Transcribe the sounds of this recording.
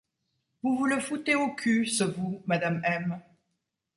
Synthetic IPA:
vuvuləfut̪eokʰʲysəvumad̪amɛm

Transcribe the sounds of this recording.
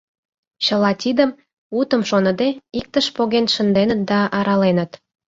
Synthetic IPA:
t͡ɕə̆lɑt̪ʲid̪əm | ut̪ə̆mʃonəd̪eik̚t̪əʃpoɣenʃə̆nd̪enət̪̚d̪ɑʔɑɾɑlenət̪

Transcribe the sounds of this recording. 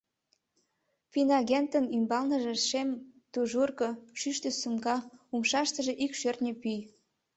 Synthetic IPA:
pinɑɣent̪ənymbɑlnə̆ʒĕʃemt̪uʒurkɤʃyʃt̪esumɡɑumʃɑʃt̪ə̆ʒeʔikʃørt̪nʲepyj

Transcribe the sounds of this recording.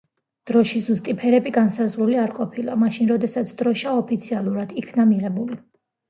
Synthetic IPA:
d̪̥ɾɔʃizust̪ʼipʰɛɾɛbiɡansazʁɾuliaɾqʼɔpʰilˠamaʃinɾɔd̪ɛsat̪sʰd̪ɾɔʃaɔpʰit̪sʰialˠuɾad̪ikʰnamiʁɛbuli

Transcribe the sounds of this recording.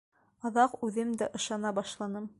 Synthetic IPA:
ɑðɑqʉðɘmd̪æʔɤ̆ʃɑnɑbɑʃlˠɑnɤm

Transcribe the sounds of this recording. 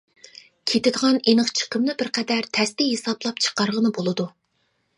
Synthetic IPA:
kʲʰet̪ɪd̪əʁɑnenəχt͡ʃʰə̥qʰəmnɨbɪɾqʰɛd̪æɾt̪ʰɛst̪ɪɦesɑblˠɑpt͡ʃʰə̥qɑɾʁənɨbolˠɨd̪u

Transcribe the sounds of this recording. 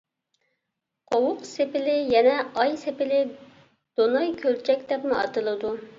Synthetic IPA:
qʰowʊqsepɪlɪjɛnɛɑjsepɪlɪ | d̪̥onɑjkʲʰølt͡ʃʰɛkʲd̪ɛpmuɑ̰t̪ɨlˠɨd̪u

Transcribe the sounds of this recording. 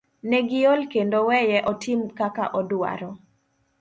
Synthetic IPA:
nɛɡɪolkendowɛjɛʔɔtʰɪmkaka̰ʔɔdwa̰ɾɔ

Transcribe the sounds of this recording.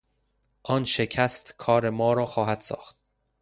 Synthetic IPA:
ʔɒːnʃe̞cʰæst̪kʰɒːɾe̞mɒːɾɒːxɒːɦæd̪̥sɒ̰ːxt̪̚

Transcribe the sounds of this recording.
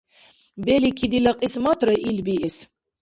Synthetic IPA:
bɛlikʰid̪ilaqʼismat̪ʰɾɨʔilbiʔɛs

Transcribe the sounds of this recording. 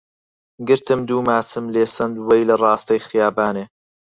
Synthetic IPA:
ɡɨɾt̪ɨmd̪uːmaːt͡sɨmleːsɐnd̪wɐjlɐrɑːst̪ɐjxɪjaːbaːneː

